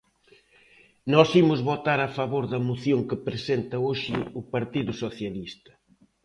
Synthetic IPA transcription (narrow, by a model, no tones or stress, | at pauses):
nɔsimʊzβot̪aɾafaβoɾðɐmuθjoŋkɪpɾesent̪ɐoʃɪʊpaɾt̪iðʊsoθjalist̪ɐ̥